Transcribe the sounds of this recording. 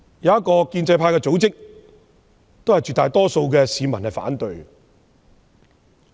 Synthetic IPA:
jɐ˨wɐ˥t̚kɔː˧kiː˧nt͡sɐ˧jpʰaː˧jkɛː˧t͡so˨˥wt͡sɪ˥k̚ | t̪o˥whɐ˨˩jt͡ʃy˨t̪aː˨jt̪ɔː˥so˧wkɛː˧siː˨˧mɐ˨˩nhɐ˨jfa̰ː˨˥nt̪ɵ˧ɥ

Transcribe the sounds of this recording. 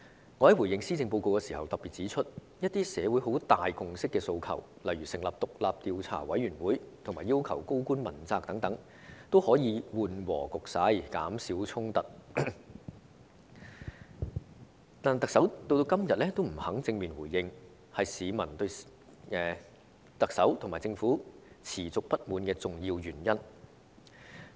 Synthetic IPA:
ŋɔː˨˧hɐ˨˥jwuː˨˩jɪ˧ŋsiː˥t͡sɪ˧ŋpo˧wko˧wkɛ˧siː˨˩hɐ˨wt̪ɐ˨piː˨t̚t͡siː˨˥t͡ʃʰɵ˥t̚ | jɐ˥t̚t̪iː˥sɛː˨˧wuː˨˥jɦo˨˧˥wt̪aː˨jkʊ˨ŋsɪ˥kːɛː˧so˧wkʰɐ̰˨˩w | lɐ˨˩jɥyː˨˩sɪ˨˩ŋlaː˨p̚t̪ʊ˨k̚laː˨p̚t̪iː˧wt͡sʰa̰ː˨˩wɐ˨˥jɥyː˨˩nwuː˨˥jt̪ʰʊ˨˩ŋmaː˨jːiː˥wkʰɐ̰˨˩wko˥wkuː˥nmɐ˨˩nt͡saː˧k̚t̪ɐ˨˥ŋt̪ɐ˨˥ŋ | t̪o˥whɔː˨˥jiː˨˧wuː˨nwɔ̰ː˨˩kʊ˨k̚saː˨˧˥jkaː˨˥msiː˨˥wt͡sʰʊ˥ŋt̪ɐ˨t̚ | t̪aː˨n˨˩t̪ɐ˨k̚sɐ˨˥wt̪o˥˧wt̪o˧wkɐ˥mjɐ˨t̚lɛː˥t̪o˥wm̩˨˩hɐ˨˥ŋt͡sɪ˧ŋmiː˨nwuː˨˩jːɪ˧ŋ | hɐ˨jsiː˨˧mɐ˨˩nt̪ɵ˧ɥ | ɛː˨˧ | t̪ɐ˨k̚sɐ˨˥wt̪ʰʊ˨˩ŋmaː˨˩jt͡sɪ˧ŋfuː˨˥ | t͡sʰiː˨˩t͡sʊ˨k̚pɐ˥t̚muː˨˧nkɛː˧t͡sʊ˨ŋjiː˧wjyː˨˩njɐ˥n

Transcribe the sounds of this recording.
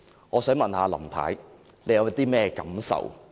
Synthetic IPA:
ŋɔː˨˧sœː˨˥ŋmɐ˨nhaː˧lɐ˨˩mt̪ʰa̰ː˨˥j | le˨˧jɐ˨˧wjɐ˦˥t̪iː˥mɛː˥˧kɐ˨˥msɐ̰˨˩w

